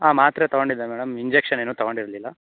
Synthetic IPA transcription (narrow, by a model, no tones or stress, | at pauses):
aːmaːt̪ɾet̪ɐɡoɳɖid̪ːɐmɛːɽɐmiɲd͡ʒekʂɐneːnuːt̪ɐɡoɳɖiɾɐlilːɐ